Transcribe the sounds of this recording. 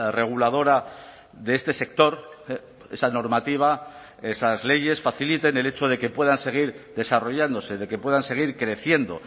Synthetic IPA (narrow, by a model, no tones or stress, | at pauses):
re̞ɣ̞ulað̞o̞ɾa | ðeest̪e̞se̞k̚t̪o̞ɾ | e̞̰sano̞ɾmat̪iβ̞a | esazle̞ʝe̞sfaθilit̪e̞ne̞le̞t͡ʃo̞ð̞e̞ke̞pwe̞ðanse̞ɣ̞iɾðe̞saro̞ʝand̪o̞se̞ðe̞kepwe̞ðanse̞ɣ̞iɾkɾe̞θje̞nd̪o̞̰